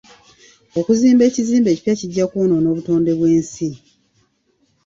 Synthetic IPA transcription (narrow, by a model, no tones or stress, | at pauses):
o̞kuziːmbe̞ːciziːmbe̞ːci̥pjaciɟːakuːnono̞ːβuto̞ːnde̞βwe̞ːnsi